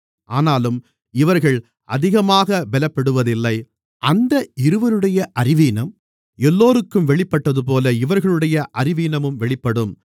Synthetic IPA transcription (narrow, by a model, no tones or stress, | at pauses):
ʔaːnaːlɯm | ɪʋɐɾɣɐɭ | ʔɐðɪɣɐmaːɣɐbɛlɐpːɐɽɯʋɐðɪlːɐɪ | ʔɐnd̪ɐɪɾɯʋɐɾɯɽɐjɐʔɐɾɪʋiːnɐm | ɛlːoːɾɯkːɯmʋɛɭɪpːɐʈːɐðɯp̬oːlɐɪʋɐɾɣɐɭɯɽɐjɐʔɐɾɪʋiːnɐmɯmʋɛɭɪpːɐɽɯm